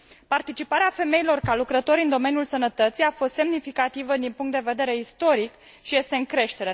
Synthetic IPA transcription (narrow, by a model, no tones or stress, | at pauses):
part̪it͡ʃipaɾeafe̞me̞ilo̞rkalukɾət̪o̞ɾʲɨnd̪o̞me̞njulsənət̪ət̪sijafo̞st̪se̞mnifikat̪ivəd̪inpuŋkt̪d̪e̞ve̞d̪e̞ɾe̞ist̪o̞ɾik | ʃije̞st̪e̞ɨŋkɾe̞ʃt̪e̞ɾe̞